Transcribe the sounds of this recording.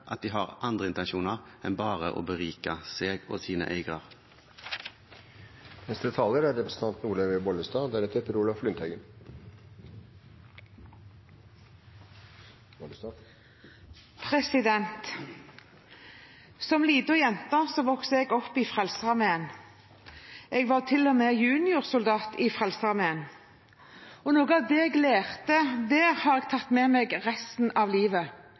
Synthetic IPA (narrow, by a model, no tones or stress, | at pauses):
ʔɑt̪̚d̪iːɦɑːʁʔɑnd̪ʁəɪnt̪ɛnʃuːnəʁɛnbɑːʁəʔo̰ːbəʁiːkɑseːɡo̰ːsiːnə̰ʔæɪɡʁɑʁ | nɛst̪ət̪ʰɑːləɾæɾɾɛpɾəsət̪ɑnt̪nuːɭəʋebɔləst̪ɑːd̪æɾɛt̪ːəɾpəɾuːlɑʋflʏnt̪ʰœʏɡən | pʰʁɛsɪd̪ɛnt̪ | sɔmliːd̪ɔjɛnt̪əsɔʋɔksəɛɡɔpːiːfʁɛlsəʁɑmeən | ɛɡʋɑʁt̪ʰɪlːɔmɛjʉːnɪʊʁsʊld̪ɑːt̪iːfʁɛlsəʁɑʁmeən | ɔnoːɡəɑʋd̪ɛːɛɡleːʁt̪əd̪æːʁhɑːʁɛɡ̚t̪ʰɑt̪mɛːmɛɡʁɛst̪n̩ɑʋliːʋə